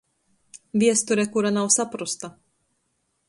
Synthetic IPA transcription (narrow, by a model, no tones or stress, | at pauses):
vʲiɛst̪uɾʲɛkuɾanawsapɾust̪a